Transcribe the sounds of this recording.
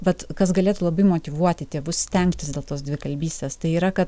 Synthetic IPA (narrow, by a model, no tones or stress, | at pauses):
ʋɐt̪kɐsɡɐlʲeːt̪ulˠɐbɐɪmoːt̪ʲɪʋuɔt̪ʲɪt̪ʲeːʋʊssʲt̪ʲɛŋktʲɪsd̪ʲeːlˠt̪oːsdʲʋʲɪkɐlʲbʲiːsʲt̪ʲeːst̪ɐɪiːɾɐkɐt̪